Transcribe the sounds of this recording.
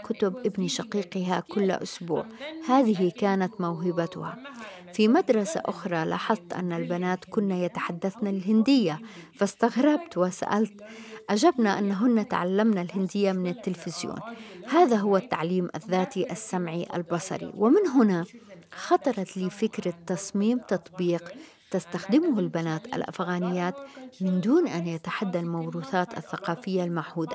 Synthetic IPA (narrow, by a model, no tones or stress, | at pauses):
kʊt̪ʊbʔɪbniʃɑqiːqɪɦakʊlːa̰ʔʊ̰sbṵːʕhaːðɪɦikaːnat̪mawɦɪbat̪ʊha̰ | fimad̪ɾˤɑsa̰ʔʊxɾˤɑlɑ̰ːħɑðˤt̪ʔa̰nːalbanaːt̪kʊnːajat̪aħad̪ːaθnalɪlɦɪnd̪ɪjːafast̪aɣɾˤɑbt̪wɪsa̰ʔa̰lt̪ʔad͡ʒabnaʔanːɦʊnːat̪ʕa̰lːamnalhɪnd̪ɪjːamɪnɪt̪ːɪlfɪzjo̰ːnhaːðaɦʊwːat̪ːaʕliːmʔaðːaːt̪iʔasːamʕiʔa̰lbɑsˤɑ̰ɾḭwɪmɪnɦʊnaxɑt̪ˤɑɾˤɑt̪liːfɪkɾat̪ːɑsˤmiːmt̪ɑt̪ˤbiːq | t̪ast̪axd̪ɪmʊhalbanaːt̪a̰lʔa̰fɣaːnɪjːaːt̪mɪnd̪uːnʔanjat̪aħad̪ːalmawɾuːθaːt̪a̰θːaqɑːfɪjːalmaʕhuːd̪a